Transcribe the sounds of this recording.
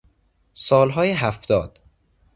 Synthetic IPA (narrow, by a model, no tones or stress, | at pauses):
sɒːlɦɒːjeɦæft̪ɒːd̪̥